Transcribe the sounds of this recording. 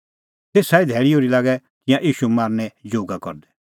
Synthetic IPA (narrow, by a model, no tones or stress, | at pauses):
t̪eːsaːid̪ʱɛːɭijoːɾilaːɡɛ | kɪjãʔiːʃumaːɾnɛd͡ʒoːɡakɔ̰ɾd̪ɛ